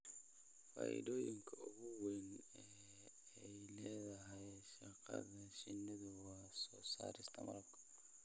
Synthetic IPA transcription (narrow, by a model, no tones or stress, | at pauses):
fa̰ːɪ̰dɔːjɪŋkʰɐʊɣʊwɛnɛ | ɛjlɛːðɐɦɐjʃɐqɐ̰ðɐʃɪnːɪðɐwɑːsɔːsa̰ːɾɪst̪ʰɐmɐɾɐbkʰɐ̥